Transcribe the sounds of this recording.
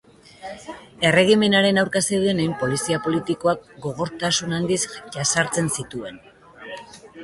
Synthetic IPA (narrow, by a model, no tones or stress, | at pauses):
e̞re̞ɣime̞naɾe̞nawɾkasewðene̞jmpo̞lisiapo̞lit̪iko̞ak̚ɡo̞ɣ̞o̞ɾt̪asunand̪isʝasaɾt͡se̞nsit̪ue̞n